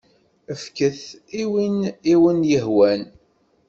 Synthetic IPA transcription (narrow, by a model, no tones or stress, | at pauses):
əfkəθiwiniwənjəɦwæn